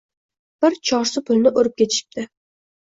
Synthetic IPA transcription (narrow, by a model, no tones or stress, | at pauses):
b̥ɪɾt͡ʃʰɒɾsɪpʰʊlnɪʔoɾɪp̚kʲʰet̪ʰɪ̥ʃɪ̥p̚d̪ɪ